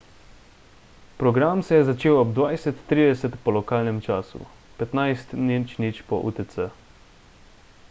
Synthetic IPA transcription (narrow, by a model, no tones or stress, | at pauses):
pɾɔɡɾamsɛjɛzat͡ʃeːwɔbd̪ʋajsɛt̪ːɾiːd̪ɛsɛt̪pɔlɔkaːlnɛmt͡ʃaːsṵ | pɛt̪najst̪nit͡ʃnit͡ʃpɔ̰ʔṵt̪ɛsə